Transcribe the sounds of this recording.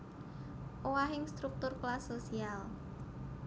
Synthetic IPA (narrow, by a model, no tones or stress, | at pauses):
ʔowaɦɪŋst̪ɾuk̚t̪ʊrklasːosial